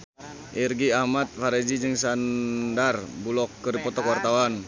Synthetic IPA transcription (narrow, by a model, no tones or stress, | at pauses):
ʔirɡiahmat̪̚faɾɛd͡ʒid͡ʒɨŋsandarbulɔkːədipɔt̪ɔkwart̪awan